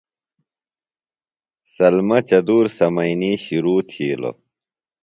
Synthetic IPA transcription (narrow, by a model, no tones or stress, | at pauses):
sɐlmɐt͡ɕɐd̪uːɾsɐmɐiniɕiɾuːt̪ʰiːlo̰